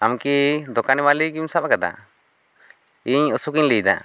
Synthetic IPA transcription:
amkid̪ɔkanimalikimsapakad̪a̰ | iɲəsukiɲlijd̪a̰ʔ

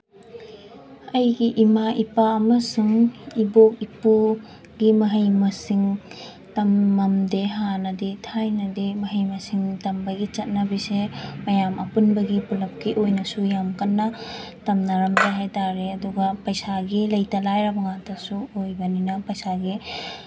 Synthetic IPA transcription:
ɐjɡiʔimaʔipaɐmɐsuŋibok̚ipu | ɡimɐɦɐjmɐsiŋ | tɐmːɐmdeɦanɐditʰajnɐdimɐɦɐjmɐsiŋtɐmbɐɡit͡ʃɐt̚nɐbisemɐjamʔɐ̰punbɐɡipulɐp̚kiʔojnɐsujamkɐnːɐtɐmnɐɾɐmdeɦajtaɾeɐduɡɐpɐjsaɡilɐjtɐlajɾɐbɐŋatʰɐsuojbɐninɐpɐjsaɡi

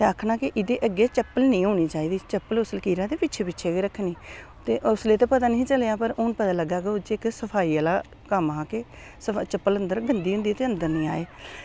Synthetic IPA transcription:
t̪eːəkʰːnãːkɪʔɪd̪eːʔəɡːeːt͡ʃəpːəlnĩːɦoːɳ̃iːt͡ʃaːiːd̪iːt͡ʃəpːəlʊsəlkiːɾãːd̪eːpɪtːt͡ʃʰeːpɪːʃʰeːkeɾəkʰːniː | t̪eːʔʊsleːt̪eːpət̪aːnĩːt͡ʃəlejaːpəɾʊːnpət̪aːləɡaːkeʊd͡ʒeːɪksəpʰaːiːəlaː | kəmãːkeː | sət͡ʃəpːələnd̪əɾɡənd̪iːɦʊ̃nd̪iːt̪eːənd̪əɾnĩːa̰ːeː

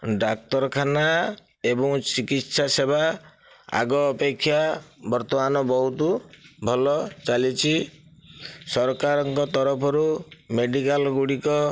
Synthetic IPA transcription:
ɖak̚t̪ɔɾɔkʰana | ebɔŋt͡ʃikit̪saseba | a̰ɡɔːpekʰːjabɔɾt̪ɔmanɔbɔɦut̪ubʱɔlɔt͡ʃalit͡ʃʰi | sɔɾkaɾɔŋkɔt̪ɔɾɔpʰɔɾumeɖikalɡuɽikɔ

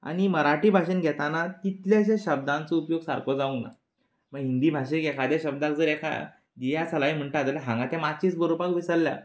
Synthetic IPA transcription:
a̰ñiməɾaʈiːbʱaɕinɡʱɛt̪anat̪it̪ljaɕẽɕəb̚d̪ãnt͡səupjoɡsaɾkɔd͡zaũna̰ | məɡɦind̪iːbʱaɕekɛkʰad̪jaɕəb̚d̪akd͡zəːɾɛkʰa̰ | d͡ʑijat͡sʰəlaim̤əɳʈ̪eat̪alaɦãŋɡat̪amat͡ɕiːt͡sbəɾopakʋisəlːja̰

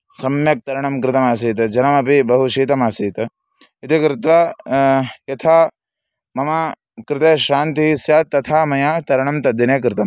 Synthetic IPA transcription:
sɐmjɐk̚t̪ɐɾɐɳɐmkɾɪt̪ɐmaːsiːt̪ɐd͡ʒɐnɐmɐpibɐɦuʃiːt̪ɐmaːsiːt̪ɐ | it̪ikɾɪt̪ʋaː | jɐt̪ʰaː | mɐma | kɾɪt̪eːʃaːnt̪iɦisjaːt̪ːɐt̪ʰaːmɐjaːt̪ɐɾɐɳɐmt̪ɐd̪ineːk̬ɾɪt̪ɐm

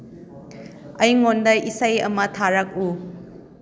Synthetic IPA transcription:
ɐjŋondɐisajɐ̰mɐtʰaɾak̚u

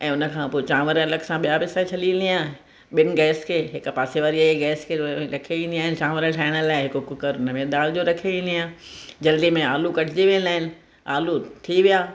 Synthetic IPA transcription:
ʔɛ̃ːʊnə̆kʰãːpoːt͡ɕãːʋəɾələksãɓijaʋɪsaːit͡ɕʰɐlĩnd̪iãː | ɓɪnɪ̆ɡɛːskʰeːɦɪkpaːseʋaːɾiaːeɡɛːskʰeɾɐkʰieĩːnd̪iaːɦɪnt͡ɕãːʋəɾəʈʰaːɪɽ̃əlaːɪɦɪkokʊkəɾʊnəmẽd̪aːld͡ʑoɾɐkʰeĩːnd̪iãːd͡ʑɐld̪imẽaːlukɐʈʰɪd͡ʑeʋinlaːɦɪnɪ̆ | aːlut̪ʰiʋijaː

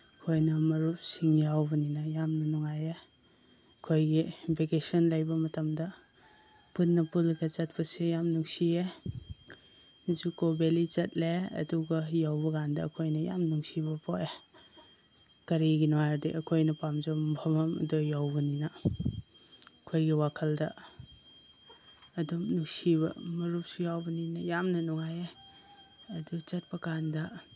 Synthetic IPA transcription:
kʰojnɐmɐɾusiŋjawbɐninɐjamnɐnɔŋaje | ɐkʰojɡibʱekesɔnlajbɐmɐtɐmdɐ | punːɐpulɡɐt͡ʃɐt̚pɐsejamnuŋsie | zukobelit͡ʃɐt̚leɐ̰duɡɐjawbɐɡandɐ̰ːkʰojnɐja̰mnuŋsibɐpʰoʔe | kɐɾiɡinoajadiʔɐkʰojnɐpamd͡ʒɐmbʱɐmɐmɐ̰dojawbɐninɐ | kʰojɡiwakʰɐldɐ | dumnuŋsibɐ̰mɐɾup̚sijawbɐninɐjamnɐnuŋaje | ɐdut͡ʃɐt̚pɐkandɐ

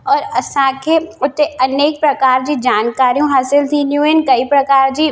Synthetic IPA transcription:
ɔːɾɐsãːkʰeʊt̪ːeʔɐneːk̚pɾɐkaːɾd͡ʒid͡ʒaːnkaːɾijõɦaːsɪlt̪ʰĩnjuːɪnkɐipɾɐkaːɾd͡ʒi

